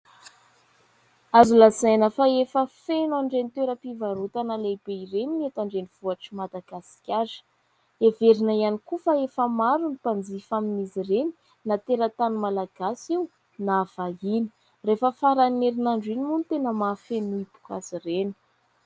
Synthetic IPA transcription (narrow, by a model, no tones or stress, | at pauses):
azulazajnəfaefəfenaɳɖ͡ʐenit̪eɾəpivaɾut̪analeb̥eirenimet̪aɳɖ͡ʐeniv̥uaʈ͡ʂimad̪aɡ̥asi̥kʲazə̥ | eveɾinaianikufaefəmaɾunipand͡zifaminizireni̥ | nat̪eɾət̪anumalaɡ̥asiu | nav̥aini̥ | refəfaɾaneɾinaɳɖ͡ʐinimunit̪enəmafennuipu̥kazireni̥